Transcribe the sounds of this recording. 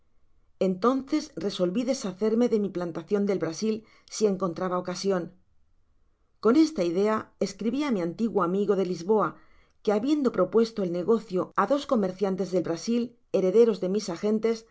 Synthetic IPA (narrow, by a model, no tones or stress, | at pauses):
e̞nt̪o̞nθe̞sre̞so̞lβiðe̞saθe̞ɾme̞ðe̞miplant̪aθjo̞nd̪e̞lβɾasil | sie̞ŋko̞nt̪ɾaβao̞kasjo̞n | ko̞ne̞st̪aiðe̞ae̞skɾiβiamiãnt̪iɣwoamiɣo̞ðe̞lizβo̞a | ke̞aβje̞nd̪o̞pɾo̞pwe̞st̪o̞elne̞ɣ̞o̞θjo̞aðo̞sko̞me̞ɾθjant̪e̞zðe̞lβɾasil | e̞ɾe̞ðe̞ɾo̞zðe̞misaxẽ̞nt̪e̞s